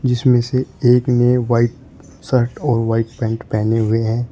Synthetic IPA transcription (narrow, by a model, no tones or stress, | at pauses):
d͡ʒɪsmẽseeːkneːʋaːɪʈ̚ | səɾʈɔːɾʋaːɪʈpɛ̃ːɳʈpɛːneɦʊeɦɛ̃ː